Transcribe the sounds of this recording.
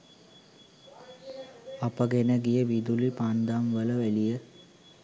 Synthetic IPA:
apəɡenəɡijəʋid̪ulipand̪amʋələʋælijə

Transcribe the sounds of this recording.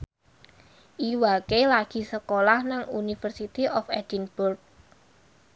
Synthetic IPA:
ʔiwakelaɡ̥i̤səkolahnaŋunifərsit̪iʔɔfɛdinbʊrk̚

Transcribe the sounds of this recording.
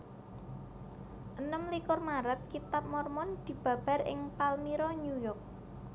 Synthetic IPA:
ʔənəmlikʊrmaɾət̪̚kit̪ap̚mɔrmɔnd̪̥i̤b̥a̤b̥a̤rʔɪ̰ŋpalmiɾɔɲujɔk̚

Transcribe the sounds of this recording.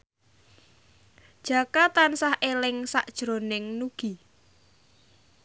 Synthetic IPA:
d̥ʒ̥a̤kat̪ansahʔelɪŋsaʔd̥ʒ̥ɾonɪŋnuɡ̥i

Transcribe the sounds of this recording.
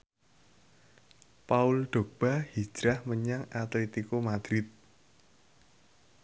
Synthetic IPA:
paulɖ̪̥o̤b̥a̤hi̥d͡ʒ̥ɾahməɲaŋat̪let̪ikomad̪̥ɾɪt̪̚

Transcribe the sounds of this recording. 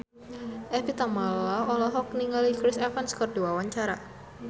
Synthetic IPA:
ʔɛfit̪amallaɔlɔɦɔk̚niŋalikɾɪsɛfanskərduwawaɲt͡ʃaɾa

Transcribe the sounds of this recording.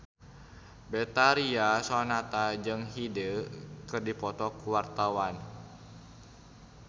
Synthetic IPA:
bɛt̪aɾiasɔnat̪ad͡ʒɨŋɦidəkɨrdipɔt̪ɔkuwart̪awan

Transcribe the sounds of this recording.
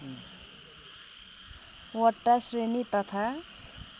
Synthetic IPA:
wʌʈːasrenit̪ʌt̪ʰa

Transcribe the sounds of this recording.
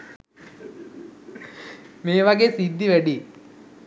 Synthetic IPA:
meːʋaɡeːsid̪ːiʋæɖi

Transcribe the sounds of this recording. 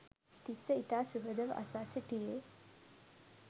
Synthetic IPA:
t̪isəit̪asuɡəd̪əʋa̰sasəʈije

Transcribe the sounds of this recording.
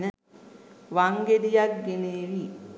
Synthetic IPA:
nə | ʋaŋɡed̪ijak̚ɡeneːʋi

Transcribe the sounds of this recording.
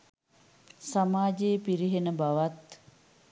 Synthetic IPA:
samaːd͡ʒejpiɾiɦenəbaʋat̪

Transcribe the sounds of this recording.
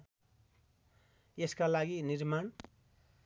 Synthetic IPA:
jeskalaɡinirmaɳ

